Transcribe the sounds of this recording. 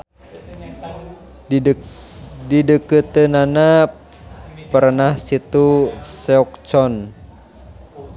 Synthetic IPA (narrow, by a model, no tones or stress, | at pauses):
didəkət̪ənana | pərnahsit̪usɛɔk̚t͡ʃɔn